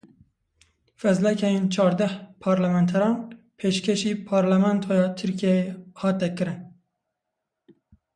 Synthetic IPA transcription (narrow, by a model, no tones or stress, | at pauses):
fɛzlɛkʰɛjent͡ʃʰɑːɾd̪ɛhpʰɑɾlɛmɛnt̪ʰɛɾɑːn | pʰeːʃkʲʰɛʃiːpʰɑːɾlɛmɛnt̪ʰojɑːt̪ʰɨɾkijeehɑːt̪ɛkɨɾɨn